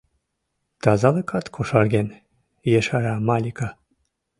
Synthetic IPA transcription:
t̪ɑzɑlɤkɑt̪kʰoʃɑrɣen | jeʃɑɾɑmɑlʲikɑ

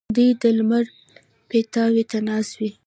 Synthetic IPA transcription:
d̪ujd̪əlməɾ | pet̪ɑwet̪anɑswi

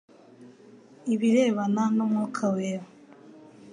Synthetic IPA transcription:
iβiɾeːβananomŋukʰaweːβa

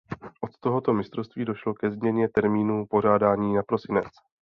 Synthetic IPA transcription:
ʔo̞t̪t̪o̞ɦo̞t̪o̞mɪst̪ɾofst̪viːdoʃlo̞kɛzmɲɛɲɛt̪ɛɾmiːnupo̞ʒ̝aːdaːɲiːnapɾo̞sɪnɛt͡s

